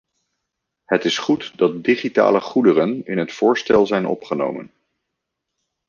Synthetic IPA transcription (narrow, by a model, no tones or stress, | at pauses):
hətɪsχutdɑt̚diχita̰ːləχudərənɪnɦətfʊːɹstɛlˠzɛjnʔɔ̰pχəno̰wmə̰n